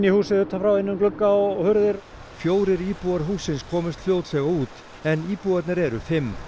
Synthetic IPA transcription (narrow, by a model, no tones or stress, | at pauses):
nːihuːsɪðʏht̪ːafɾawɪnːʏmklʏkːaɔɣhʏɾðɪɾ | fjoːwɾɪɾiːpuaɾɦuːsːɪnskʰɔːmɪst̪l̥jowt̪sɛɣauːt̪ | ɛniːpuat̪nɪɾɛɾʏfɪmː